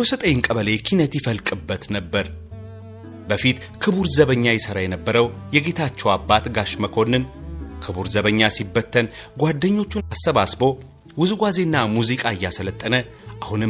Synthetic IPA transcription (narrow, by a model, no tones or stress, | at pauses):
osət̪ʼəɲːɪŋkʼəβəlekʰinət̪jɪfəlkʼɨbːət̪nəbːəɾ | bəfit̪ | kʰɨβuɾzəβəɲːajɛsəɾajɛnəbːəɾəwjɛɡe̞t̪ʰat͡ʃːɛwabːat̪ɡaʃməkʰo̞nːɨnkʰɨβuɾzəβəɲːasibːət̪ʰːənɡʷad̪ːəɲːo̞t͡ʃːunasːəβasbo̞ | wʊzuɡʷwaze̞nːamuzikʼaɨjːasələt̪ʼːənə | ʔahunɨ